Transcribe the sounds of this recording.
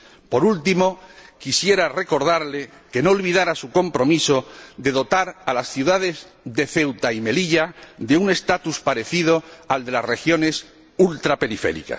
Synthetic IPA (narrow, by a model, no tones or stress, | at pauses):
po̞ɾult̪imo̞kisje̞ɾare̞ko̞ɾð̞aɾle̞ | ke̞no̞ːlβiðaɾasuko̞mpɾo̞miso̞d̪e̞ðo̞t̪aɾalasθjuðaðe̞zðe̞θe̞wt̪aime̞liʎaðe̞une̞st̪at̪uspaɾe̞θið̞o̞ald̪e̞lasre̞xjo̞ne̞s | ult̪ɾape̞ɾifḛɾḭka̰s